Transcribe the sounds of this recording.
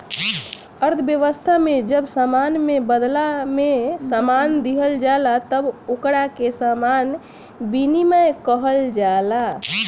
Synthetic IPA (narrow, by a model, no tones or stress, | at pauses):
əɾt̪ʰəbjəʋəst̪ʰamed͡ʒəbsamanmebəd̪lamesamand̪iɦəld͡ʒalat̪əbokɽakesaman | biniməjkəɦəld͡ʒala